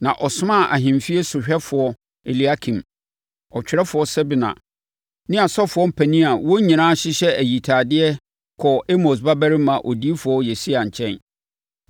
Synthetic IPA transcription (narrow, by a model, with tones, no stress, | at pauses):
nã˨ʔɔ˨sʊ˦mã˦˨ʔa˨ɦɪ̃˨mfi˦e˦sʊ˨ɕᶣɛ˦fʊ˨ɔ˦ | e˨li˨a˦kʰĩ˨m | ɔ˨t͡ɕᶣɪ˨ɾɛ˦fʊ˨ɔ˦sɛ˦bi˨nã̰˨ | nɪ̃˦a˨sɔ˦fʊ˨ɔ˦m̩˦pʰæ˨nĩ˦a˨wɔ˦ɲĩ˨nãː˦ɕɪ˦ɕɛ˦æ˨ji˨tʰaː˨dɪ˦ɛ˦ | kʰɔ˨ʔe˦mo˨s̬ba˦bæ˦ɾɪ˦mã˨ʔo˨di˦e˦fʊ˨ɔ˦jɛ˨si˦a˨ɲ̩˨t͡ɕʰɛ̃˦n